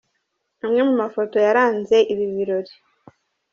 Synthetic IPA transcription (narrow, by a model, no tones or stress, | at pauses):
amŋe̞mumafo̞to̞jaɾaːnze̞ʔiβiβiɾo̞ɾi